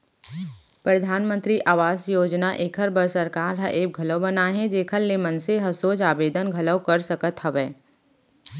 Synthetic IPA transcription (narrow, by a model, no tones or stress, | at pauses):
pɾɐd̪ʱaːnmə̃nt̪ɾiʔaːʋaːsjoːd͡ʒnaʔeːkʰəɾbəɾsɐɾkaːɾɦɐʔeːb̚ɡʱɐləbɐnaɦɛ̃d͡ʒeːkʰəllemənseɦɐsoːt͡ʃaːbeːd̪ənɡʱɐləkəɾsɐkət̪hɐʋɛː